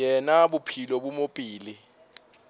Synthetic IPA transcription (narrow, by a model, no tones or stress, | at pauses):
ɛnaɓupʰilɔɓumopʼiːli